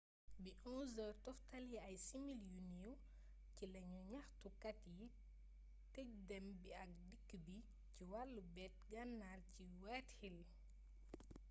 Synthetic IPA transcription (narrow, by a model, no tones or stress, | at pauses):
biʔɔzɐtɔftɐljiɐjsimiljuniuw | cilɐɲuɲɐxtukɐtji | tɛk̚dɛmbiɐk̚dikːəbi | ciwalːubɛt̚ɡɐnːarci | wɛthil